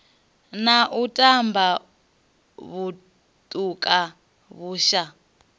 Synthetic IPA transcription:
naʔutʼambʱa | βu | tʼukʼa | βuːʃa

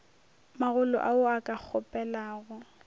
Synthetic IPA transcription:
maɣʊlɔ̰ʔaʊakʼak͡xʰɔpʼɛlaːɣʊ

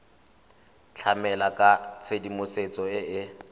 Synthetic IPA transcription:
t͡ɬʰamɛlakʼat͡sʰedimʊset͡sʼɔɪɪ

